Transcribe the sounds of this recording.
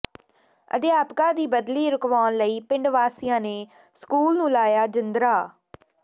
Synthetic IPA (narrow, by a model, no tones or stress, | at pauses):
ə̰d̪ɪjaːpkãːd̪iːbəd̪liːɾʊkʋaːnləiːpɪ̃ɳɖʋaːsijãːneː | skuːlnũːlaːjaːd͡ʒɪnd̪ɾaː